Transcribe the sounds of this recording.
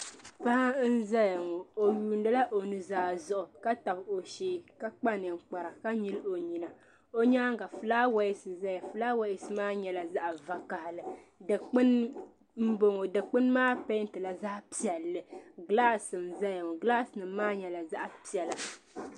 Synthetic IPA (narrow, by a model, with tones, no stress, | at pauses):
pa˦a˦n̩˦za˦ja˨ŋɔ˨o˨juː˨n˦dɨ˦la˦ʔo˨nɨ˨zaː˨˦zʊ˦ʔʊ˨ka˦ta˨bo˨ʃeː˦˨ka˦k͡pa˦nɨ˨ŋ̩˨k͡pa˨ɾa˨ka˦ɲi˦lo˨ɲi˨na˨ | o˦ɲa˦ŋɡa˨fɨ˨laː˦wa˦ɪ˦sɨ˨za˦ja˨fɨ˨˦laː˦wa˦ɪ˦sɨ˦maː˦ɲɛ˨la˨za˦ʔa˨va˨ka˨hlɨ˨dɨ˨k͡pɨ˦n | m̩˦bo˦ŋo˨dɨ˨k͡pɨ˦nmaː˦pa˦n˦tɨ˨la˨za˦pi˨jɛ˨lːɨ˨ɡlaː˦sɨ˨mza˦ja˨ŋɔ˨ɡla˦snɨ˨mːaː˦ɲɛ˨la˨za˦ʔpi˨ɛ˨la˨